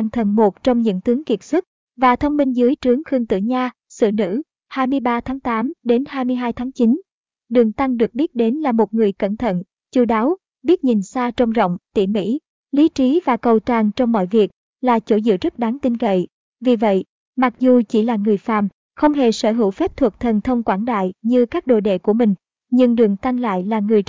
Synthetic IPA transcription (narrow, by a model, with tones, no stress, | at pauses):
a˧˩ŋt̪ʰə˨˩nmo˨˩t̚t͡ɕɔ˧wŋ͡mɲɨ̰˧˥ŋt̪ɨ˨˦əŋki˨˩ət̚swə˦˥t̚ | vaː˨˩t̪ʰə˧wŋ͡mmi˧ŋzɨ˨˦əjt͡ɕɨ˨˦əŋxɨ˧əŋt̪ɨ̰˧˨ɲaː˧ | sɨ̰˧˨nɨ̰˧˥ | haː˧jmɨ˧əjɓaː˧t̪ʰaː˨˦ŋt̪aː˨˦mɗe˨˦nhaː˧jmɨ˧əjɦaː˧jt̪ʰaː˨˦ŋt͡ɕi˨˦n | ɗɨ˨˩əŋt̪a˧ŋɗɨ˨˩ək̚ɓi˦˥ət̚ɗe˨˦nlaː˨˩mo˨˩t̚ŋɨ˨˩əjkə̰˧˩nt̪ʰə̰˧˨n | t͡ɕu˧ɗaː˨˦w | ɓi˦˥ət̚ɲi˨˩nsaː˧t͡ɕə˧wŋ͡mzə̰˧˨wŋ͡mt̪ḭ˧˩mḭ˧˥ | li˨˦t͡ɕi˨˦vaː˨˩kə˨˩wt͡ɕaː˨˩ŋt͡ɕɔ˧wŋ͡mmɔ̰˧˨jvi˨˩ək̚ | laː˨˩t͡ɕo˧˩zɨ̰˧˨zə˦˥t̚ɗaː˨˦ŋt̪i˧nkə̰˧˨j | vi˨˩və̰˧˨j | ma˨˩k̚zu˨˩t͡ɕi˧˩laː˨˩ŋɨ˨˩əjfa̰ː˧˩m | xə˧wŋ͡mɦe˨˩səː˧˩ɦɨ˧˩wfɛ˦˥p̚t̪ʰwu˨˩k̚t̪ʰə˨˩nt̪ʰə˧wŋ͡mkwaː˧˩nɗa̰ː˧˨jɲɨ˧kaː˦˥k̚ɗo̰˧˨jɗḛ˧˨ku˧˩əmï˨˩ŋ̟ | ɲɨ˧ŋɗɨ˨˩əŋt̪a˧ŋla̰ː˧˨jlaː˨˩ŋɨ˨˩əj